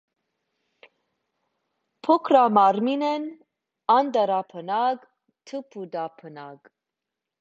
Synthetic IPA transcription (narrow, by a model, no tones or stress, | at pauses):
pʰɔkʰɾamɑɾminɛn | ɑnd̪əɾapʰənaɡ | t̪ʰəpʰud̪apʰənaɡ